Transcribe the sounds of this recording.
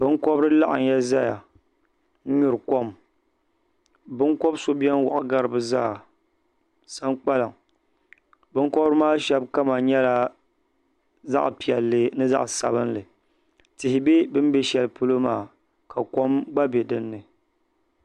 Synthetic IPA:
bɨ˦ŋ˦kɔ˦bɾɨ˦la˦ʔa̰˨n˨ja˦za˦ja̰˨ | n̩˦ɲʊ˨ɾɨ˨ko˦m | bɨ˦ŋko˦bso˦bi˦ɛ˦n˦wʊ̰˨ʔʊ̰˨ɡa˦ɾɨ˨bɨ˦za̰ː˦˨ | sa˦ŋk͡pa˦lɨ˨ŋ | bɨ˦ŋ˦kɔ˦bɾɨ˦maː˦ʃɛ˦b̚ka˦ma˨ɲɛ˦la˨ | za̰˦ʔpi˨ɛ˨lːɨ˦nɨ˦za̰˦ʔsa̰˨bɨ˦nlɨ˨ | tɪ˨hɪ˨be˦bɨ˦m˦bɛ˦ʃɛ˨lɨ˦pu˦lo˦maː˦˨ | kʰa˨ko˦mɡ͡ba˦be˨dɨ˦nːɨ˨

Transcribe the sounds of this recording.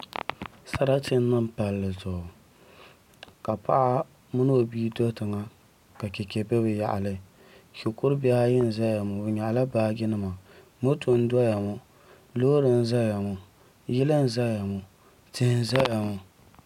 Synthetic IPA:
sa˦ɾa˦tɪ˦n˦nɨ˦m˦pa˨lːɨ˨zʊ˨ʊ˨ | ka˨pa̰˦ʔa˦ | mʊ˦no˦o˨biː˦do˦tɨ˨ŋa˦ | ka˨kɛ˨kɛ˨bɛ˦bɨ˨ja̰˨ʔa̰˨lɨ˦ | ko˨kʊ˦ɾba˦ha˦jɪ˦n˨za˦ja˨mʊ˨bɨ˨ɲa˨ʔa˨la˦baː˦ɡʲɪ˦nɨ˦ma˨ | mo˦tʰʊ˨n̩˦da˦ja˨mʊ˦ | lo˦ɾɨ˨n̩˦za˦ja˨mʊ˨ | jɪ˦lɨ˦n̩˦za˦ja˨mʊ˨ | tɪ˦hɪ˦n˦za˦ja˨mʊ˨

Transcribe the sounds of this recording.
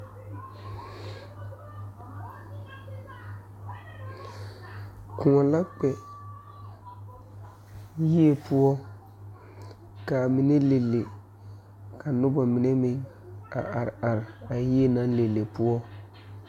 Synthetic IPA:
kʊ˨ŋɔ˨la˦k͡pɛ˨ | ji˦e˨pʊ˦ɔ˦ | ka˨mɪ˨nɛ˦le˨lːe˨ | ka˨nʊ˦ba˨mɪ˨nɛ˦mɪ˦ŋ | a̰˨ʔa˨ɾɪ˨a˨ɾɪ˨a˨ji˦e˦na˦le˨lːe˨pʊ˦ɔ˦

